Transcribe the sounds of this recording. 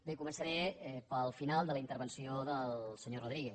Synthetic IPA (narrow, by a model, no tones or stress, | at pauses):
bekumənsəɾɛɛpəlˠfinalˠd̪ələint̪əɾβənsioðəlsəɲoruðɾiɣɛ